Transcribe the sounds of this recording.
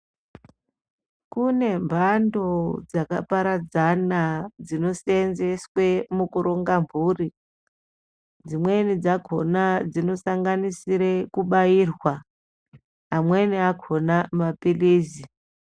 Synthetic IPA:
kune̞mbʱando̞d͡zaka̰paɾad͡zanad͡zino̞senze̞swe̞mukuɾo̞ŋɡamvuːri | d͡zimwe̞nid͡zaɡʱo̞nad͡zino̞saŋɡanisiɾe̞kuɓairwa | amweniakʰo̞namapiliːzi

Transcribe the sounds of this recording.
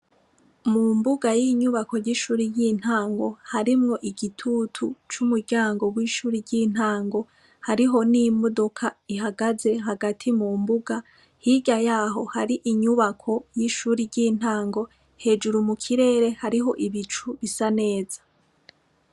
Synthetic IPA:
mumbuɡajiɲuβako̞ɾɟiʃuːɾijiːn̥aːŋɡo̞haɾimŋo̞ʔiɡitʰutʰut͡ʃumuɟaːŋɡo̞wiːʃuːɾiɾɟiːn̥haːŋɡo̞ | haɾiɦo̞nimodokʰaiɦaɡaze̞ɦaɡatʰimuːmbuɡa | hiɟajaːɦo̞haɾiʔiɲuβakʰo̞jiʃuːɾiɾɟiːn̥haːŋɡo̞ | he̞ːd͡ʒuɾumukʰiɾe̞ːɾe̞haɾiɦo̞ʔiβit͡ʃuβisane̞ːz̥ḁ

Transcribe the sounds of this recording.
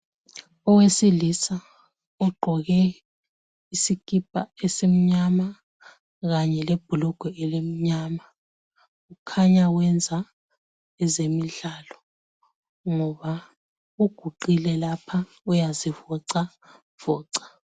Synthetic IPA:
ɔwesilisa | uɡ͡ǃʱɔɣɛ | isikʼip̚ʼaesem̩ɲama | ɣaɲɛleb̥ʱulɔɡ̥ʱɔɛlem̩ɲaːma | ukʰaɲawɛnd͡zʱa | ɛzemiɮaːlɔ | ŋɔβa | uɡ̥ʱuǃilɛlapʰa | ujazivɔǀa | v̥ɔːǀḁ

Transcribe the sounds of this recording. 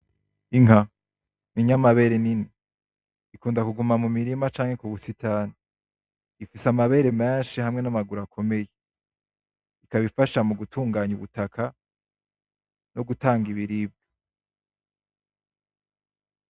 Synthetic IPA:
iŋɦa | niɲamaβe̞ːɾeniniː | kuːndakuɡumamumiɾimat͡ʃaːŋhe̞kuβusitʰani | ifisamaβe̞ːɾe̞meːnʃihamŋe̞namaɡuɾakʰo̞me̞je | ikaβifaʃamuɡutʰuːŋɡaːɲuβutakʰa | noɡutaːŋɡiβiɾib̚ɡo

